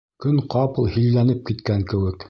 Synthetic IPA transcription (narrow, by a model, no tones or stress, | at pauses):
kɵŋqɑpɤ̆lˠhilːænɘp̚kit̪kæŋkɘ̆wɘk